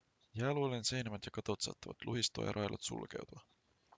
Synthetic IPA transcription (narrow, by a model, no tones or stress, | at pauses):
jæluolense̞jnemɑd̪̥jɑkɑt̪ot̪sɑ̰t̪ˑːɑvɑ̰t̪lʔuɦist̪o̰jɑ̰ɾʔɑjlo̰t̪sṵlke̞̰wd̪̥ɑ